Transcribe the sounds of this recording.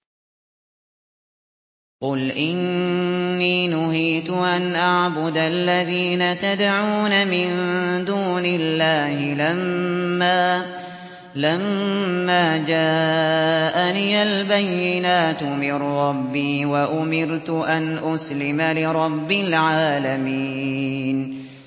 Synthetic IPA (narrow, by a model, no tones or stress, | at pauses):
qʊlʔɪnː | iːnʊɦiːt̪ʊʔanʔaʕbʊd̪alːaðiːnat̪ad̪ʕuːnamɪnd̪uːnɪlːaːhɪlamːaː | lamːaːd͡ʒaː | ʔaniːalbajːɪnaːt̪ʊmɪɾɾɑbːiːwaʔʊmɪɾt̪ʊʔanʔʊslɪmalɪɾˤɑbːɪlʕaːlami | n